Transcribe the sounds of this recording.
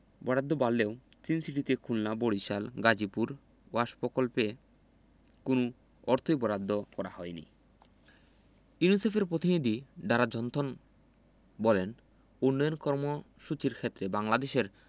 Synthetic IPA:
bɔɾad̪ʱːobalːeo | t͡ɕinsiʈit̪ekʰulnaboɽiʃalɡad͡ʑipuɾ | waʃpokolpe | konu | ɔɾt̪ʰojbɔɾad̪ʱːokɔɾahɔenḭ | junisefeɾpɾot̪inid̪ʱiɖaɾad͡ʑɔnt̪ʰon | bɔlen | unːɔjonkɔɾmo | ʃut͡ɕiɾkʰet̪ːɾebaŋlad̪eʃeɾ

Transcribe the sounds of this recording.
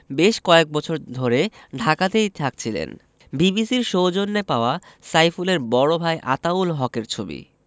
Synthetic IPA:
beʃkɔek̚bɔt͡ɕʰoɾd̪ʱoɾeɖʱakat̪ejt̪ʰak̚t͡ɕʰilḛn | bibisiɾʃowd͡ʑonːepaoa | sajfuleɾbɔɽobʱaejʔa̰t̪aulɦɔkeɾt͡ɕʰobḭ

